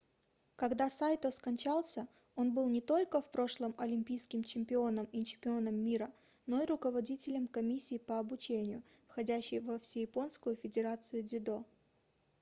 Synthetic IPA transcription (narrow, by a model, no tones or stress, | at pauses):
kɐɡd̪asajt̪oskɐnʲt͡ɕalˠsʲə | o̞nbɨlˠnʲɪt̪o̞lʲkəfpɾo̞ʂlˠəmɐlʲɪmʲpʲijskʲɪmt͡ɕɪmʲpʲɪo̞nəmit͡ɕɪpʲɪo̞nəmːʲiɾə | no̞iɾʊkəvɐdʲitʲɪlʲəmkɐmʲisʲːiːpəɐbʊt͡ɕenʲɪjʊ | fxɐdʲæɕːɪjvəfsʲɪjɪpo̞nskʊjʊfʲɪdʲɪɾat̪sɨjʊdʲɪd̪o̞